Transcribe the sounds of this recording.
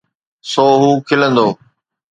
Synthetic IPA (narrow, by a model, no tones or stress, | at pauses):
soːɦuːkʰɪlə̃nd̪oː